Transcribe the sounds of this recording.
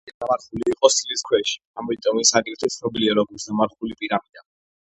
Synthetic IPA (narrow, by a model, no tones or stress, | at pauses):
d̪amaɾχuliːqʼɔst̪liskʰwɛʃi̥amit̪ʼɔmisaɡʼɛɾt̪ʰɔt̪sʰnɔbiliaɾɔɡuɾszamaɾχulipʼiɾamid̪a